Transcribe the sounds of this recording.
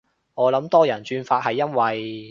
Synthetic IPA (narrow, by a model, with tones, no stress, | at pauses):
ŋɔː˨˧lɐ˨˥mt̪ɔː˥jɐ˨˩nt͡ʃyː˧nfaː˧t̚hɐ˨jːɐ˥nwɐ˨j